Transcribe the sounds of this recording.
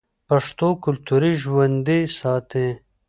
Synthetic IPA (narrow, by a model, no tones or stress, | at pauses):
pɐʂt̪okʊlt̪uɾiʒwɐnd̪isɑːt̪ẽ